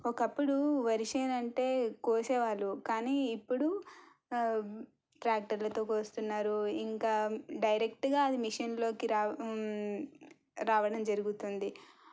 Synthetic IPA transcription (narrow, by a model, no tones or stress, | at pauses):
ɔkɐpːuɽuʋɐɾiʂeːnɐɳʈe̞ːkoːseːʋaːɭːukaːniːpːuɽu | ʈɾaːk̚ʈɐɾlɐt̪o̞ːkoːst̪unːaːɾuiŋkaːɖɐjɾekʈɡaːɐd̪imiʂɐnlo̞ːkiɾaː | ɾaːʋɐɽɐmd͡ʒɐɾuɡut̪und̪i